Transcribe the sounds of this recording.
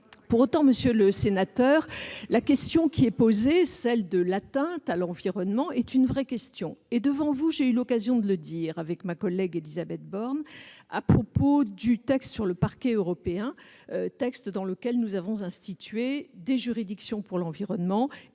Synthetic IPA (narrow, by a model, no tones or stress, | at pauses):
puʁot̪ɑ̃məsjøləsenat̪œːʁlakʲɛst̪jɔ̃kʲʰiɛpozesɛld̪əlat̪ɛ̃t̪alɑ̃viʁɔnmɑ̃ɛt̪ynvʁɛkʲɛst̪jɔ̃ed̪əvɑ̃vuʒeylɔkazjɔ̃d̪ələd̪iʁavɛkmakɔlɛɡelizabɛt̪̚bɔʁna̰pχɔpod̪yt̪ɛkst̪syʁləpaʁkʲɛøʁɔpeɛ̃øt̪ɛkst̪d̪ɑ̃ləkʲɛlnuzavɔ̃zɛ̃st̪it̪ɥed̪eʒyʁid̪iksjɔ̃puʁlɑ̃viʁɔnmɑ̃